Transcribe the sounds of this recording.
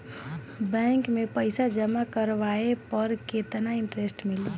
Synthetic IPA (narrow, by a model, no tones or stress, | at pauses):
bɛ̃ːŋkmẽpəɪsad͡ʒəmakəɾʋaepəɾket̪naɪ̃ɳʈɾesʈmɪli